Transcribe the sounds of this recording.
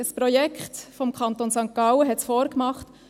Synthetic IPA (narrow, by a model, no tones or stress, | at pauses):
əspɾɔjɛkχt̪fɔmkʰɑnt̪onsɑŋkːɑwəɦɛtsfɔːɾkmɑχt